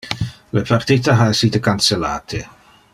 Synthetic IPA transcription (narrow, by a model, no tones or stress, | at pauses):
lepart̪iːt̪aɦaesiːt̪ekansela̰ːt̪ʰe